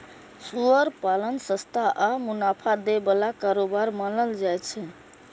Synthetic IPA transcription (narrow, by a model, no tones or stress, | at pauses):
suəɾpalənsə̃st̪ʰaʔəmunapʰad̪ebəlakaɾobaɾmanəld͡ʒajt͡ʃʰɛ